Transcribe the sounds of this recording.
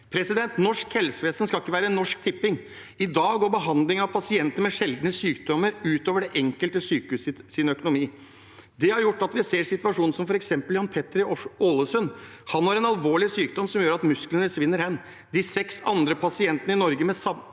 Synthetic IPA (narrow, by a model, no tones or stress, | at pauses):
pʰɾɛsɪd̪ɛnt̪nɔʂkhɛlsəʋeːsən̩skɑlɪkːəʋæːɾəɛnːɔʂk̚t̪ʰɪpːɪŋ | ɪd̪ɑːɡɡoːɾbəɦɑnd̪lɪŋɑʋpʰɑsɪɛnt̪ənəmɛʂɛld̪nəsyːkd̪ɔmːəɾʉːt̪oːʋəɖɛʔɛŋkəlt̪əsyːkəʉssɪnœkʊnʊmiː | d̪ɛhɑɾjʊʈːɑt̪ʋɪseːɾsɪt̪ʋɑʂuːnn̩sɔmfɔɾɛksɛmpəljɑnpʰɛt̪ɾɪoːləsœnhɑnhɑɾɛnɑlʋoːɭɪsyːk̚d̪ɔmsɔmjøːɾɑt̪mʉsklənəsʋɪnːəɾhɛnː | d̪ɪsɛksɑ̰nd̪ɾəpʰɑsɪɛnt̪ənəɪnɔɾɡəmɛsɑ